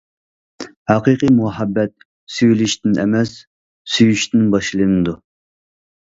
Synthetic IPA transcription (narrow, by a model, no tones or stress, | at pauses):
hɑqiqimuɦɑbːɛt̪̚ | syjliʃt̪ɪnɛ̰mɛsː | yjyʃt̪ɪnbɑʃlˠɨnɨd̪u